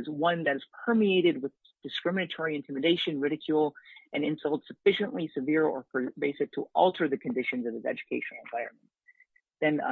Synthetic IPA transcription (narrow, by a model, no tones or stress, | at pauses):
zwʌ̃nðɨɾɨz̥pʰɜ˞mieɪɾɨd̚wɪð | d̥ɨskɹɪ̃mɨnɨtʰɔɹiɨ̃ntʰɪ̃mɨdeɪʃɨ̃nɹɪɾɨkʰjulˠʔɨ̃nɨ̃nsʌlˠtsɨfɪʃɨ̃nʔlisɨvɪɹə̰˞pʰə˞beɪsɨk̚tʰəʔɔ̰lˠtʰə˞ðɨkʰɨ̃ndɪʃɨ̃nzʌvɨzɛ̰d͡ʒɨkʰeɪʃɨnl̩ˠə̃nvaɪɹɨ̰̃nm̃n | ðɨ̃n